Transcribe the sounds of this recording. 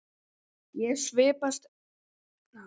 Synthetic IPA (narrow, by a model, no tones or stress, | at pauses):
jɛsvɪːpast̪